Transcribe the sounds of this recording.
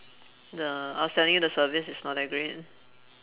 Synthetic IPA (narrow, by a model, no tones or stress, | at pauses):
dəaʊstɛ̃ndĩŋdəsəvisɪsnɔtɛɡɹid̚